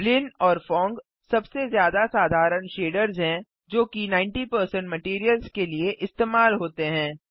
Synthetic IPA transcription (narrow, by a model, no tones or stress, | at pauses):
lɪnɔːɾfɔ̃ːŋɡ | sɐbsezjaːd̪asaːd̪ʱaːɾənʃeːɖəɾzɦɛ̃ː | d͡ʒoːkinãːɪ̃ɳʈipəɾsə̃ɳʈmɐʈiːɾijəlzkelieʔɪst̪eːmaːlɦoːt̪eɦɛ̃ː